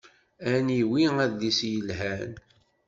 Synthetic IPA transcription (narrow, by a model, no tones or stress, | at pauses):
æniwiæðlisjəlɦæn